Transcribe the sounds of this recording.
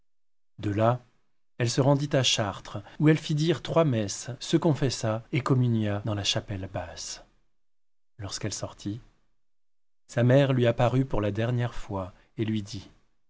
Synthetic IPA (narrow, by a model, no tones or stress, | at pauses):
d̪əla | ɛlsəʁɑ̃d̪it̪aʃaʁt̪χuɛlfid̪iʁt̪χwamɛsːəkɔ̃fɛsaekɔmynjad̪ɑ̃laʃapɛlbas | lɔʁskɛlsɔʁt̪ʰi | samɛʁlɥiapaʁypuʁlad̪ɛʁnjɛʁfwa | elɥid̪i